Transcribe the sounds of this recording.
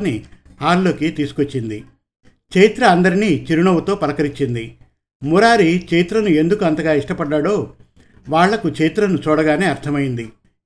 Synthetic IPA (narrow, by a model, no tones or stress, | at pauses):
ni | haːɾlo̞ːkit̪iːsu̥kʋot͡ʃːind̪i | kt͡ʃejt̪ɾɐːnd̪ɐɾiniːt͡ʃiɾuɳɐwut̪o̞ːpɐɾɐkɐɾit͡ʃːind̪i | muɾaːɾit͡ʃejit̪ɾɐnue̞nd̪ukuɐnt̪ɐɡaːiʂʈɐpɐɖːaːɽo̞ː | ʋaːɭːɐkut͡ʃejt̪ɾɐnut͡ʃɔːɽɐɡaːne̞ːɐɾt̪ʰɐmɐjind̪i